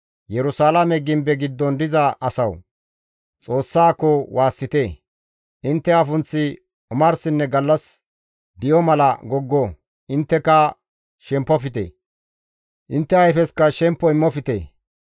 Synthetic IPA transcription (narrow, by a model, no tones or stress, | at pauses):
jɛɾʊsaːlɐmɛɡɪmbɛɡɪd̪ːɔnd̪ɪzɐʔɐsɐw | t͡sʼo̞ːsːaːkːɔwaːsːɪt̪eː | ʔɪnt̪ːɛɐfʊnt͡sːɪ | ʊmɐɾsɪnːɛɡɐlːɐs | d̪ɪjɔmɐlɐ̰ɡɔɡːɔ | ʔɪnt̪ːɛkɐ | ʃɛmpːɔfɪt̪̬ḛː | ʔɪnt̪ːɛɐjfɛskɐʃɛmpːɔɪmːɔfɪt̪ḛː